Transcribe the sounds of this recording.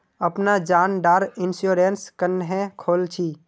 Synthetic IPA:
əpnad͡ʒaːnɖaːɾɪnsuːɾenskənɦɛ̃kʰoːlt͡ʃʰiː

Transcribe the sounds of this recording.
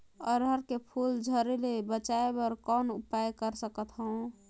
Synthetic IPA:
əɾɦəɾkepʰuld͡ʒʱəɾelebət͡ʃaebəɾkɔnupajkəɾsəkət̪ɦə̃w̃

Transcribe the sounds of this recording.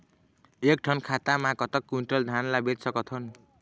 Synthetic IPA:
ek̚ʈʰʌnkʰat̪amakʌt̪ʌkːuɳʈrʌld̪ʱanlabetsʌkʌt̪ʰʌn

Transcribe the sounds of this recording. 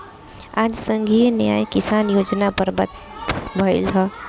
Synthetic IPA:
aːd͡ʒsə̃ŋɡʱinjaːjkɪsaːnjoːd͡ʒnapəɾbə̰t̪ | bʱəɪlɦə

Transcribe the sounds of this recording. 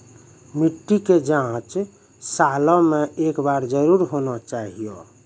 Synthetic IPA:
miʈːiked͡ʒãt͡ʃ | salɔmeʔekbaɾd͡ʒəɾuɾɦonɔt͡ʃaɦijo̰

